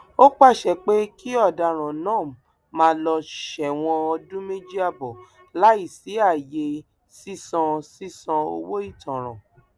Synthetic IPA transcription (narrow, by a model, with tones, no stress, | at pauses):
o˦k͡pa˦˨ʃɛ˨k͡pe˦kʰi˦ɔ˦˨da˧˨ɾ̃ã˨nãː˦˨ | mãː˦lɔ˧ʃɛ˨w̃ɔ̃˧ɔ˧dũ˦me˦d͡ʒi˦a˦˨bɔ˨ | la˨˦i˦˨si˨˦a˦˨je˧ | si˦sɔ̃˧si˦sã˧o̰˧wo˦i˦˨tɔ̃˨ɾ̃ã̰˨